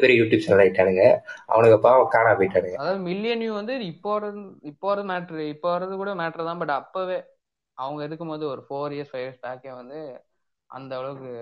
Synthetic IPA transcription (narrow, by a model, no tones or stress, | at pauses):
pɛɾijɐjuːʈjuːb̚t͡ʃɛnɐlaɪʈːaːɽɯŋɡɐʔɐ̰ʋɐɳɯkːɛpːakaːɳaːpɔɪʈːaːɽɯŋɡɐɐðaːʋɐðɯmɪlːɪjɐnjuːʋɐnd̪ɯɪpːoːʋɐɾɐɪpːoːʋɐɾɐðɯmaːʈːɐɾɪpːoːʋɐɾɐðɯkuːɽɐmeːʈːɾɐt̪ãːbɐʈːɐpːoːʋeː | ɐʋɐŋɡɐɛðɯkːɯmpoːðɯɔɾɯfoːɾɪɐɾsfɐɪʋɾsbaːkeːʋɐnd̪ɯ | ʔɐ̰nd̪ɐʋɪɭɐʋɯkːɯ